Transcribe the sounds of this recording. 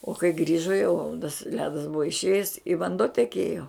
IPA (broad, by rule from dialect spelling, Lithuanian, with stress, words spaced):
oː kɐɪ ˈɡrʲiːʒoː jɛʊ tɐs ˈlʲæːdɐs ˈbʊʋoː ɪʃʲˈeːjɛs ɪ ʋɐnˈduɔ tʲɛˈkʲeːjoː